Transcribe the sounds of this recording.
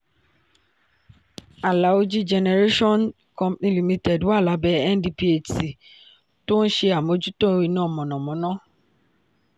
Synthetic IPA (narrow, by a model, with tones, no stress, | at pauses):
a˨la˨˦o˧d͡ʒi˦d͡ʒɛ˧nɛ˧ɾe˦ʃɔ̃˦˨n | kɔ̃˧pnĩ˧li˨mĩ˧tɛ˨dwa˦˨la˨˦bɛ˦ɛ˦ndi˧pi˦e˨ti˨ | to˦n̩˦ʃe˧a˨mo˨˦d͡ʒu˦tõ˦i˧nã˦˨mɔ̃˨nɔ̃˨mɔ̃˨˦nã˦